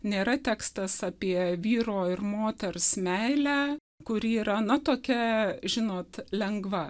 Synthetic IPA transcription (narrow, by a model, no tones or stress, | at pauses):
nʲeːɾɐt̪ʲæːkst̪ɐsɑːpʲiɛʋʲiːɾoːɪrmoːt̪ʲɛɾsmʲæɪlʲæː | kʊɾʲɪiːɾɐnɐt̪oːkʲɛʒʲɪnoːt̪lʲɛŋɡʋɐ